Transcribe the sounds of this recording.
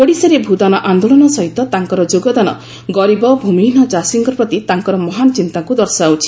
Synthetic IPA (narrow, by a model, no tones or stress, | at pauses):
koɽiseɾebʱud̪anɔʔand̪oɭɔnɔsɔɦit̪ɔt̪aŋkɔɾɔd͡ʒoɡɔd̪anɔ̰ | ɡɔɾibɔbʱuminɔd͡ʒasiŋɡɔɾpɾɔt̪it̪aŋkɔɾɔmɔɦanɔt͡ʃint̪aŋkud̪ɔɾsɔawt͡ʃʰi̥